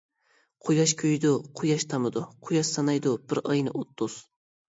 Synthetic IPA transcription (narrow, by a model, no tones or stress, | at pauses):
qʰojɑʃkʲʰøjd̪ʊqʰojɑʃt̪ʰɑmɨd̪ʊqʰʊjɑʃsɑnɑjd̪ʊbɪɾɑjnɨ̰ʔot̪ːʊz̥